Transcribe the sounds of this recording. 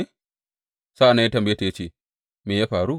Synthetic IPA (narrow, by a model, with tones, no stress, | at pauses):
e˦˨ | saː˦ʔa˨nːa˦ja˦tɐ˨mba˨jeː˦ta˨ja˦t͡ʃeː˦˨ | meː˨jaː˦ɸaː˨ɾu˦